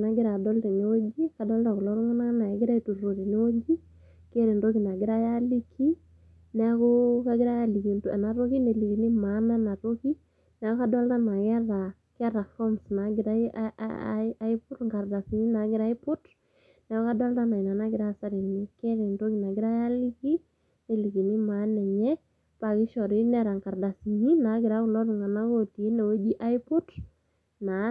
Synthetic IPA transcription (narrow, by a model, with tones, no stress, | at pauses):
na˨ɡɪ˦ɾa˨dɔ˦ltɛ˨ni˦wo˦ɡi˦ka˨dɔ˦lta˨ku˨lɔ˦ɾu˦ŋʊ˦na˦na˨ɡɪ˦ɾa˦i˦tu˨ɾo˨ɾi˨ni˦wo˦d͡ʒi˦ | ke˦ɾi˨ndo˦ki˨na˨ɡɪ˦ɾa˦ja˦li˦kʰi˦ | nɛ˨˦kʊ˦ka˦ɡɪ˦ɾa˦ja˦li˨ki˨nta̰˨na˨ɾo˦ki˦ne˨li˨ki˨ni˦ma˨˦na˦na˨ɾo˦ki˦ | nɛ˨˦kʊ˦ka˦dɔ˦lta˦na˨kɛ˦ɾa˨ | kɛ˦ɾa˨fɔ˦msna˨ɡɪ˨ɾa˦ | jpʊ˦dŋɡa˨rda˨si˨ɲi˦na˨ɡɪ˦ɾa˦ɪ˦pʊ˦d | nɛ˨ɔ˦ka˦dɔ˦lta˦na˨ɪ˨na˨na˦ɡɪ˨ɾa˦˨sa˦ɾi˨ni˦kɛ˦ɾɪ˨nto˦ki˦na˨ɡɪ˦ɾa˦a˦li˦ki˦ | ne˨li˨ki˨ni˦ma˨˦nɛ˨ɲɛ˦ | pa˨kɪ˦ʃɔ˨ɾɪ˦nɛ˦ɾa˨ŋka˨ɾda˨si˨ɲi˦na˨˦ɡɪ˨ɾa˦kʊ˨lɔ˦ɾʊ˨ŋa˨na˦ko˨ti˨e˦ne˨wo˦d͡ʒi˦ʔa˦jpɔ˦d | na˨